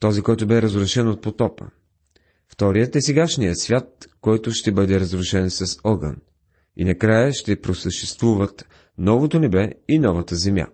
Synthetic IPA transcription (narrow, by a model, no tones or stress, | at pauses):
t̪ɔzikɔjt̪ʊbɛɾəzɾʊʃɛnot̪̚pot̪ɔpə̰ | ft̪ɔɾijət̪ɛsɛɡaʃnijəsvʲjat̪̚kɔjt̪ʊʃt̪ɛbɤd̪ɛɾɐzɾʊʃɛnsɐsɔɡə̰n | ḭnɐkɾajəʃt̪ɛpɾosəʃt̪ɛst̪vuvət̪ | nɔvot̪onɛbɛinɔvət̪əzɛmja̰